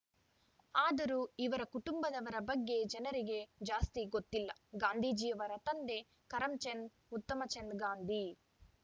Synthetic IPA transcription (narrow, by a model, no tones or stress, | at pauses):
aːd̪ɐɾuiʋɐɾɐkuʈumbɐd̪ɐʋɐɾɐbɐɡːeːd͡ʒɐnɐɾiɡeːd͡ʒaːst̪iɡot̪ːilːɐɡaːnd̪ʱiːd͡ʒiːjɐʋɐɾɐt̪ɐnd̪eː | kɐɾɐmt͡ʃend̪ | ut̪ːɐmɐt͡ʃend̪ɡaːnd̪ʱi